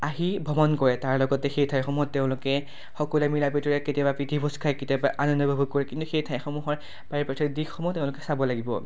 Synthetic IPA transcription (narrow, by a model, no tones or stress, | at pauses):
aɦibʱɔmɔnkɔɹɛtaɹlɔɡɔtɛxejtʰaɛxɔmuɦɔtːeʊ̃lʊkɛ | xɔkɔlɛmilapitɔɹɛketijabapɹitʰibʱɔskʰajketiabaʔanɔnːɔbʱɔbʱukɔɹɛkintuxejtʰajɛxɔmuɦɔɹ | b̥aɹipatʰɔtdikxɔmuteʊ̃lʊkɛsabɔlaɡibɔ̰